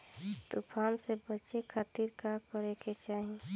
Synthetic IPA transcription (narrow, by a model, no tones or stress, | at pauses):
t̪ʊpʰaːnsebət͡ʃekʰat̪iɾkakəɾeket͡ʃaːɦi